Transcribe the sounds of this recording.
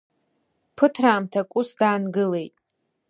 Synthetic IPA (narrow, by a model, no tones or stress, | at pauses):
pʰɨtʰraːmtʰakʷʼʊsdaːnɡɨle̞jtʼ